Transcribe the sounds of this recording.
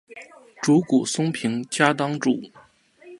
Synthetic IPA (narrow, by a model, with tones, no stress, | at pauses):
ʈ͡ʂu˧˥ku˨˩sʊ˥ŋpʰi˧˥ŋt͡ɕja˥t̪ɑ˥ŋʈ͡ʂu˥˩˦